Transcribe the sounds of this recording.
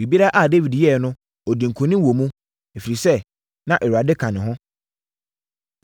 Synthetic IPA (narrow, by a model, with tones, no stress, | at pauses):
i˨bi˦a˦ʔa˦˨de˦vi˨djɛ˦˨nʊ̃˦ | ɔ˨dĩ˨ŋ̩˨kʰʊ̃˨nɪ̃˦wo˨mũ˦ | ɛ˨fi˨ɾi˨sɛ˦ | nã˦ʔɛ˨ɾu˨a˨dɪ˦kʰã˨nɪ̃˨ɦʊ̃˦